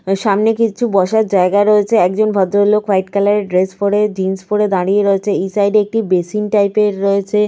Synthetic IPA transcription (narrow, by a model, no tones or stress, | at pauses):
ʃamnekit͡ɕʰubɔʃaɾd͡ʑaeɡaɾoet͡ɕʰeɛk̚d͡ʑonbʱɔd̪ʱːolokʋajʈ̚kɛlaɾeɖɾespoɽed͡ʑinspoɽed̪aɽijeɾoet͡ɕʰeejsajɖeek̚ʈibeʃinʈajpeɾːoet͡ɕʰe